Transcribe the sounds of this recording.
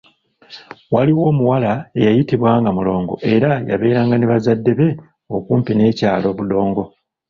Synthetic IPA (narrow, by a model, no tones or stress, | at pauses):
waliwo̞ːmuwalaejajitiβwaːŋɡamulo̞ːŋɡo̞̰ʔe̞ɾaja̰βe̞ːɾaːŋɡaneβazadːe̞βe̞ | okuːmpine̞ːcaːlo̞ːβudo̞ːŋɡo̞